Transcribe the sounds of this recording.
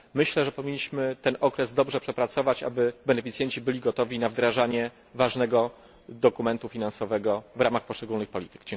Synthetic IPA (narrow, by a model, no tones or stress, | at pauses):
mɘɕlɛʐɛpɔvʲiɲːiɕmɘt̪ɛnʔɔkɾɛzd̪ɔbʐɛpʂɛpɾat̪sɔvat͡ɕa̰bɘbɛnɛfʲit̪sʲjɛɲt͡ɕibɘlʲiɡɔt̪ɔvʲinavd̪ɾaʐaɲɛ | vaʐnɛɡɔ | d̪ɔkumɛnt̪ufʲinansɔvɛɡɔvɾamaxpɔʂt͡ʂɛɡulnɘxpɔlʲḭt̪ɘ̥kd͡ʑɛŋ